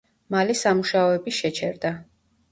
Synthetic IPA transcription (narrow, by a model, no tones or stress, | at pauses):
malisamuʃaɔɛbiʃɛt͡ʃʰɛɾd̪a